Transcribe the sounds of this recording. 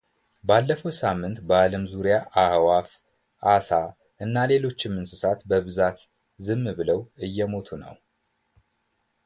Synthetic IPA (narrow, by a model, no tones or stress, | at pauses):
balːəfəwsamːɨnt̪bəaləmzuɾijaʔahwaf | ʔasa | ʔɨnːale̞lo̞t͡ʃːɪmːɨnsɨsat̪bəβɨzat̪ | zɨmːbɨləwɨjːɛmo̞t̪ʰunə̰w